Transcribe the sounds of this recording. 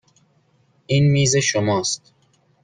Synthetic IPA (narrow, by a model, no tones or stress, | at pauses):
iːnmiːzeʃomɒːst̪